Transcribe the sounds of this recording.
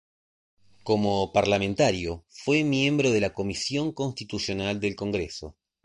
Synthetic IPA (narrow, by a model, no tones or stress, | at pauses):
ko̞mopaɾlament̪aɾjofwemje̞mbɾoð̞e̞lako̞misjo̞ŋko̞nst̪it̪usjo̞nald̪e̞lko̞ŋɡɾeso̞̰